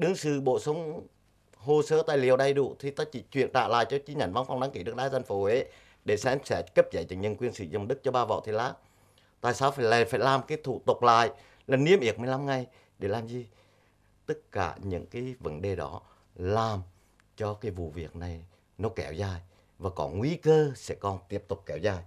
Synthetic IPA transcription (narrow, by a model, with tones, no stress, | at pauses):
ɗɨ˨˦əŋsɨ˧˩ɓo̰˧˨sə˨˦wŋ͡m | ɦo˧səː˨˦t̪a̰ː˧˨jli˨əwɗa˧jɗṵ˧˨t̪ʰi˨˩t̪aː˧˦t͡ɕi˧˩t͡ɕwḭ˧˨ənta̰ː˧˨la̰ː˧˨jt͡ɕɔ˧t͡ɕi˧˦ɲa˧˩nva˧˦nfa˧wŋ͡mɗa˨˦ŋki˧˦ɗɨ˦˥ək̚ɗaː˧˦za˧ŋfo˧˦we˨˦ | ɗe˧˩sɛ̰˧˥msɛ̰˧˥kə˦˥p̚za˨˩jt͡ɕə̰˨˧˩ŋɲə˧˨nkwi˧ənsḭ˧˦zə̰˧˩ŋ͡mɗɨ˦˥k̚t͡ɕɔ˧ɓaː˧vɔ̰˧˨wt̪ʰi˧˨˩laː˧˥ | t̪a̰ː˧˨jsaː˨˦wfaː˧˩jla˨˩faː˧˩jlaː˨˩mkaː˨˦jt̪ʰṵ˧˨t̪ə˨˩k͡p̚la̰ː˧˨j | laː˨˩ni˧əmʔi˨˩ək̚mɨ˨˩əjla˧mŋa˨˩j | ɗe˧˩laː˨˩mzi˨˩ | t̪ɨ˦˥t̚kaː˧˩ɲɨ̰˧˥ŋkaː˨˦jvə˨˦nɗe˨˩ɗɔ˨˦ | laː˨˩m | t͡ɕɔ˧kaː˨˦jvṵ˧˨vi˨˩ək̚na˨˩j | nɔ˨˦kɛ˨˧˩wzaː˨˩j | vaː˨˩kɔ˨˦ŋwi˧˦kəː˧sɛ̰˧˥kɔ˨˩nt̪i˦˥əp̚t̪ʊ˨˩k͡p̚kɛ˨˧˩wzaː˨˩j